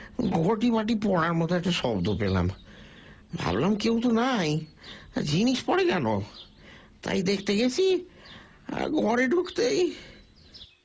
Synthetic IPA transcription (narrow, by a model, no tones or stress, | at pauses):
ɡʱɔɾʈibaʈipɔ̃aɾmɔt̪oɛk̚ʈaʃɔbd̪opela̰m | bʱa̰blamkewt̪̬onaj | d͡ʑiniʃpɔɽekɛno̰ | t̪a̰jd̪ekʰt̪eɡet͡ɕʰḭ | ɡʱɔɾeɖʱukt̪ej